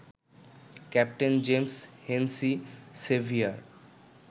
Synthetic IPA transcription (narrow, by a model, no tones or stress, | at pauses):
kɛp̚ʈend͡ʑemshensisebʱiaɾ